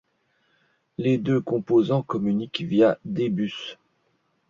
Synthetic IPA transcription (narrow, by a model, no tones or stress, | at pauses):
led̪økɔ̃pozɑ̃kɔmynikvjad̪ebys